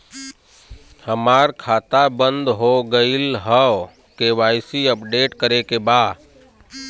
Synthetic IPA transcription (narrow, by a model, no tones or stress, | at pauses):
həmaːɾkʰaːt̪abə̃nd̪ɦoɡəilɦə | keʋaːɪsiəpɖeːʈkəɾekebaːd